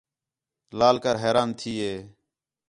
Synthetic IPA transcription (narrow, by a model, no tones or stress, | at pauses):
laːlkəɾɦeːɾaːnt̪ʰiːɦeː